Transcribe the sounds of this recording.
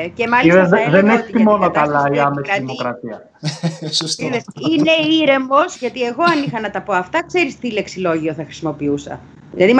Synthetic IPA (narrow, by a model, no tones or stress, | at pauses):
cemɐliiðezðeneçi̥imo̞nokɐlɐiɐmesðimo̞kɾɐt̪iɐ | st̪iðesine̞iɾe̞mo̞sʝɐt̪ie̞ɣo̞ɐnixɐnɐt̪ɐpo̞ɐft̪ɐkse̞ɾist̪ile̞ksilo̞ʝio̞θɐxɾi̥simo̞piusɐ̰ | ilɐðim